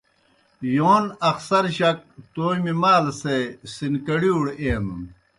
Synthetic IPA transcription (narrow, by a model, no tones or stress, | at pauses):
joːnɐxsɐɾɕɐk̚t̪oːjmimaːlsesinkɐɽiuɽeːmu